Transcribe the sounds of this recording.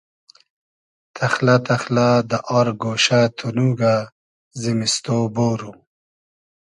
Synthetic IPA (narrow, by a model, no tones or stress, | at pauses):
t̪ʰaxlat̪axlad̪əʔɔɾɡoːʃat̪ʰunuɡa | zimist̪oboːɾu